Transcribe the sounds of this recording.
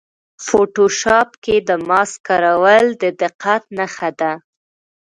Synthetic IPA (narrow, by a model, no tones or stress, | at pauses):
foʈoʃɑpked̪əmɑskɑɾawəld̪əd̪ɪqːat̪naxad̪a